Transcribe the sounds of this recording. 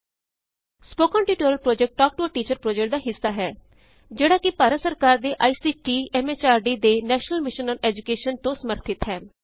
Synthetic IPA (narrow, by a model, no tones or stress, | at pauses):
spoːkə̃ːɳʈiːʈoːɾəlpɾoːd͡ʒɛk̚ʈʈɔːk̚ʈoəʈiːt͡ʃəɾpɾoːd͡ʒɛk̚ʈ̚d̪aːɦɪsːaːɦɛː | d͡ʒeːɽaːkɪpaːɾəsəɾkaːɾd̪eːʔaːiːsiːʈiːɛːmeːt͡ʃaːɾɖiːd̪eːnɛːʃnəlmɪʃənɔːnɛːd͡ʒʊkeːʃənt̪õːsəməɾt̪ʰɪt̪ɦɛː